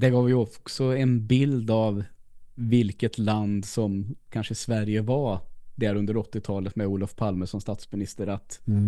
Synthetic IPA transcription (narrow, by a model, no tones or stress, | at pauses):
d̪ɛɡɑːvjɵɔksɔɛnbɪld̪avː | ɪlkət̪ʰland̪sɔmkʰanʂəsvæɾjəvad̪æɾɵnd̪əɾɔt̪ːɪt̪ʰɑːlət̪mɛuːlɔfpʰalməʂɔnst̪ɑːt̪smɪnɪst̪əɾat̪